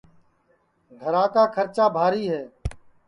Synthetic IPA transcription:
ɡʱəɾãːkaːkʰəɾt͡ʃaːbʱaːɾiːɦɛː

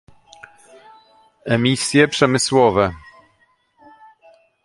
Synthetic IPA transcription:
ɛmʲisʲjɛpʂɛmɘswɔvɛ

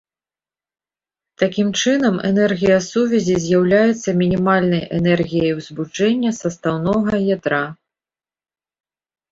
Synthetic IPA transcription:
t̪akʲimt͡ʂɨnɐmɛ̰nɛrɣʲijɐsuvʲɛzʲizʲjawlʲajɛt̪sːɐmʲinʲimalʲnɐjʔɛnɛrɣʲijɐjwzbut͡ʂɛnʲːɐsɐst̪awnɔɣɐjad̪ɾa

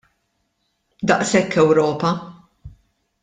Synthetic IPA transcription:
d̪ɐʔsɛkːɛwɾɔːpɐ

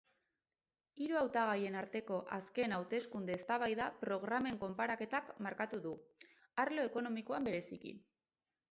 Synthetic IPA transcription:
iɾuawt̪aɣ̞aje̞naɾt̪e̞ko̞ʔaske̞nawt̪e̞skund̪e̞ːst̪aβ̞ajðapɾo̞ɣ̞ɾame̞ŋko̞mpaɾake̞t̪akmaɾkat̪uðu | aɾlo̞e̞ko̞no̞miko̞ambe̞ɾe̞sikḭ

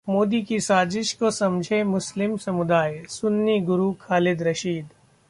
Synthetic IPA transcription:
moːd̪ikisaːzɪʃkosɐmd͡ʒʱemʊslɪmsɐmʊd̪aːjsʊnːiɡʊɾukʰaːlɪd̪ɾɐʃiːd̪

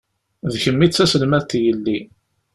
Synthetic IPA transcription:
ðçəmːit͡sːæsəlmæt̪jəlːi

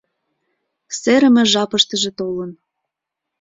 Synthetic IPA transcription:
seɾə̆mĕʒɑpəʃt̪ə̆ʒĕt̪olən

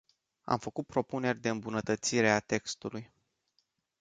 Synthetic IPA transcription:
a̰mfəkut̪̚pɾo̞pune̞rʲd̪e̞ɨmbunət̪ət̪siɾe̞at̪e̞kst̪uluj

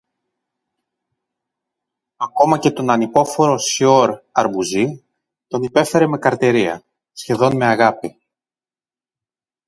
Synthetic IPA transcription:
ɐko̞mɐce̞t̪o̞nɐnipo̞fo̞ɾo̞sio̞ɾɐɾbuzi | t̪o̞nipe̞fe̞ɾe̞me̞kɐɾt̪e̞ɾiɐ̰ | sçe̞ðo̞nme̞ɐɣɐpi

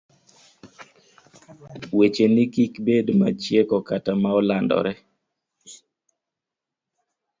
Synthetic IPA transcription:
wet͡ʃenikikbedmat͡ʃjekɔkatamaɔlandɔ̰ɾɛ

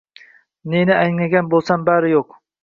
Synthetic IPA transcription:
nenɪajŋnaɡʲanbolˠsambaɾɪjoq

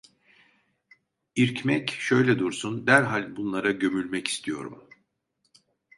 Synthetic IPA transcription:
iɾcmɛcʃø̞jlʲɛd̪uɾsund̪æɾɦalʲbunlˠaɾaɟø̞mylʲmɛci̥st̪ʰijo̞̰ɾṵm

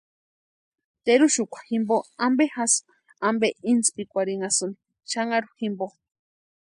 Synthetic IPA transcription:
t̪eɾuʃukʷḁximboambexas | ambeinspikʷaɾiŋasuni̥ | ʃaŋaɾuximbo

